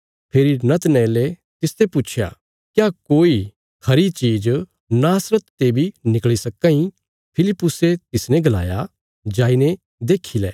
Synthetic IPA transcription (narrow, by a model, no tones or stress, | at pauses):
pʰeːɾinɐt̪nɛːle | t̪ɪst̪eput͡ʃʰja̰ | kjakoːi | kʰɐɾit͡ʃiːd͡ʒ | naːsɾət̪ːebʱinɪkɭisɐkːãĩ | pʰɪlɪpːʊset̪ɪsnɛ̃ɡɐla̰ːja | d͡ʒaːine | d̪eːkʰːilɛ̰ː